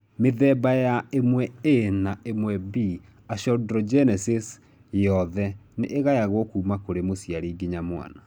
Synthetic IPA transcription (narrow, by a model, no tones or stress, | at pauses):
meðɛbajaemwɛenaemwɛbi | aʃɔdɾɔd͡ʒɛnɛses | jɔðɛneʔːɣajaɣwɔkuːmakoɾemosjaɾiɡeɲamwa̰na